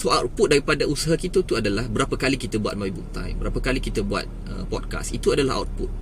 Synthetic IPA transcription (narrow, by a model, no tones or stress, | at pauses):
soawt̪̚put̪̚daɾipadausaɦakit̪ət̪uadalahbəɾapəkalikit̪əbua̰t̪̚maibuk̚t̪a̰jbəɾapəkalikit̪əbua̰t̪̚ | ə̰pɔ̰t̚ka̰sit̪uadalaɦa̰wt̪̚put̪